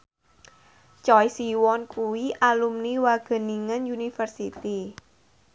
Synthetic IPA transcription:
t͡ʃɔjsiwɔnkuwiʔalumniwaɡ̥ə̤niŋənjunifərsit̪i

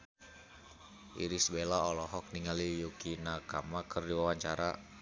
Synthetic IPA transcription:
ʔḭɾisbelaɔlɔɦɔk̚niŋalijukinakamakʰərdiwawaɲt͡ʃaɾa

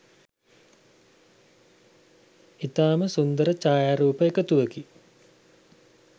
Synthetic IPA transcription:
it̪aːməsund̪əɾət͡ʃaːjaːɾuːpəekət̪uʋəɡi

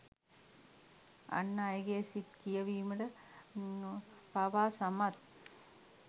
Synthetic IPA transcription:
ɐ̰nːajɡeːsit̪kijɐʋiːmɐɽɐ | pɐʋaːsɐmɐt̪̚

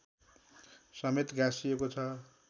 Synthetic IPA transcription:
sʌmet̪ɡãsijekot͡sʰʌ

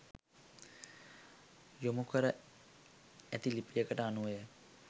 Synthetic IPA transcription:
jomukəɾə | æt̪ilipijəkəʈəanuʋejə

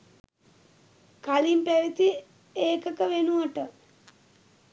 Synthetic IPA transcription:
kalimpæʋit̪i | eːkəkəʋenuʋəʈə

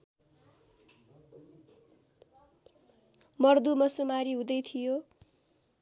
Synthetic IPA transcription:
mʌrd̪umʌsumaɾiɦũd̪ʌjt̪ʰijo

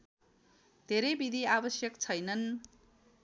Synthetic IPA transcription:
d̪ʱeɾʌjbid̪ʱiabʌsjʌkt͡sʰʌjnʌn

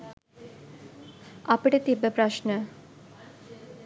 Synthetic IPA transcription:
ɐpiʈət̪ibəpɾaʃnə

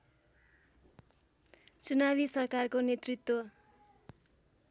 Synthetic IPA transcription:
t͡sunaβisʌrkarkonet̪rit̪ːwo

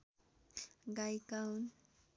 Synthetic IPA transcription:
ɢajkawn

